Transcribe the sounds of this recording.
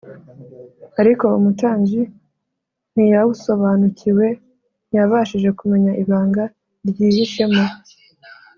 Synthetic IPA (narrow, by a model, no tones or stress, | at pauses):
aɾiko̞umutaːɲɟi | n̥ijawuso̞βaːnucʰiwe̞ | njaβaʃiʒe̞kume̞ɲaʔiβaːŋɡa | ɾjiːβiʃe̞mo